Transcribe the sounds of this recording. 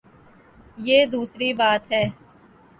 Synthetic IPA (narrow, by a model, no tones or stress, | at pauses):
jeːd̪uːsɾibaːt̪ɦɛː